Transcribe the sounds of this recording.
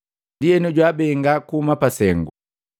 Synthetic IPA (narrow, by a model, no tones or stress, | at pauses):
diɛnuɟwaːbɛŋɡakuumapasɛŋɡu